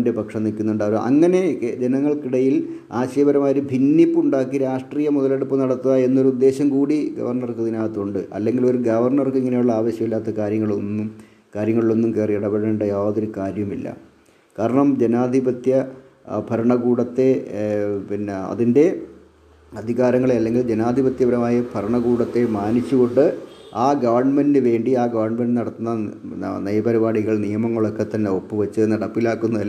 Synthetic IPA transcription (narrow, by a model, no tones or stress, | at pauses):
nde̞pɐkʂɐnilkʲːunːuɳɖaːʋɐʔɐ̰ŋːɐne̞d͡ʑenɐŋːɐɭkiɽɐjil | aːɕeːbɐɾɐmaːjoɾubʱinːipːuɳɖaːkːiɾaːʂʈriːjɐmuðɐle̞ɽupːɨnɐɽɐt̪ːuðae̞nːo̞ɾuud̪ːe̞ːɕɐmkuːɽiɡɐ̰ʋɐrɳɐrkɨðinaːjɐt̪ːuɳɖɨʔɐ̰lːe̞ŋɡilo̞ɾuɡɐʋɐrɳɐrkeŋːɐnejuɭːɐaːʋɐɕjɐmilːaːt̪ːɐkaːɾjɐŋːɐɭonːum | kaːɾjɐŋːɐɭiɭo̞nːumkeːriiɽɐbɐɽɐnɳɖɐjaːʋɐðo̞ɾukaːɾjɐmilːɐ̰ | kaːɾɐɳɐmd͡ʑenaːd̪ʱibɐt̪jɐ | bʱɐɾɐɳɐɡuːɽɐt̪ːe̞ | pinɐ̰ðinde̞ | ɐd̪ʱiɣaːɾɐŋːɐɭeɐlːe̞ŋɡild͡ʑenaːd̪ʱibɐt̪jɐʋɐɾɐmaːjɐbʰʱɐɾɐɳɐɣuːɽɐt̪ːe̞maːnit͡ɕːuɣo̞ɳɖɨaːɡɐʋɐrɳmendɨʋe̞ːɳɖiaːɡɐʋɐrɳmenɖɨnɐɽɐt̪ːunːɐnɐjɐbɐɾibaːɽiɣɐɭnijɐmɐŋːɐɭokːet̪ːɐnːeo̞pːɨʋɐt͡ɕːɨenɐɽɐpːilaːkːunːɐði